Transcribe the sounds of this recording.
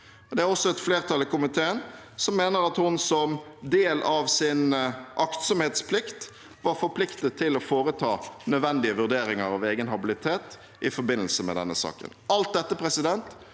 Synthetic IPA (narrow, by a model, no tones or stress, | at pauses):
ɔd̪ɛæɾɔsːɔɛt̪fleːʁt̪ʰɑlːəkʊmɪt̪ʰeːənsɔmːeːnəɾɑt̪hʊnsɔmd̪eːlʔɑʋsɪnʔɑkt̪sɔmheːt̪spʰlɪkt̪ | ʋɑɾfɔɾpʰlɪkt̪ət̪ʰːɪlɔfoːɾət̪ʰɑːnœd̪ʋɛnd̪ɪəʋʉʁd̪eːɾɪŋəɾɑʋeːɡənɦɑbɪlɪt̪ʰeːt̪ | ʔɪfɔɾbɪnːəl̩səmɛ̰d̪ɛ̰nːəsɑ̰ːkə̰nɑlt̪̚d̪ɛt̪ːəpʰɾɛsɪd̪ɛnt̪